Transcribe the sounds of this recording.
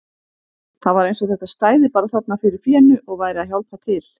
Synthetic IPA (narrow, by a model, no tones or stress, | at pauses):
θaðvaɾejnsɔɣθɛht̪ast̪aːjðɪpaːɾaθat̪nafɪɾɪɾ̥fjɛːnʏʔɔɣvaːjɾɪaðɦjawlpat̪ʰɪl